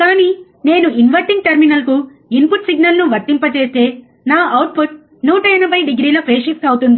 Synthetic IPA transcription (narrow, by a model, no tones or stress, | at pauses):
kaːniː | ne̞ːnuinʋɐɾʈiŋɡ̚ʈɐɾminɐlku | inpuʈsiɡnɐlnuʋɐɾt̪ːimpɐt͡ʃe̞ːst̪e̞ː | naːʔɐwʈ̚pʰuʈ̚ | nuːʈɐjɐnɐbʱɐjɖiɡɾiːlɐpʰeːʃipsɐwt̪und̪i